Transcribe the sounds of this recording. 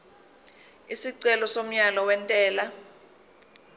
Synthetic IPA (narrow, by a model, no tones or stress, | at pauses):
isiǀɛlɔsom̩ɲalɔwɛntʼɛːla